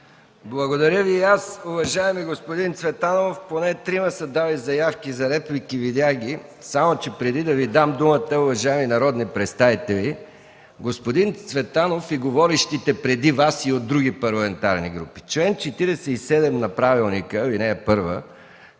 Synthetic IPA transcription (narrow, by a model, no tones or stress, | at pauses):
blˠɐɡod̪ɐɾʲjəviasʊvɐʒaɛmiɡospod̪int̪svɛt̪anoofponɛt̪ɾiməsɐd̪avɐjzɐjafk̟izɐɾɛplikivid̪ʲaxɡ̟ʲisamot͡ʃɛpɾɛd̪id̪ɐvid̪amd̪umət̪əʊvɐʒaɛminɐɾɔd̪nipɾɛt̪st̪avit̪ɛli | ɡospod̪int̪svɛt̪anofiɡovɔɾiʃt̪it̪ɛpɾɛd̪ivasiod̪̚ɾuɡipɐɾlˠɐmɛnt̪aɾniɡɾupi̥t͡ʃlɛnt͡ʃɛt̪iɾɛsɛisɛd̪ɛmnɐpɾavilˠnikəvinɛɛpɤɾvə̰